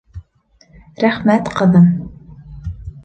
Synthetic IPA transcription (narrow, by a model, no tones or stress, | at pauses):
ɾæχmæt̪qɤ̆ðɤm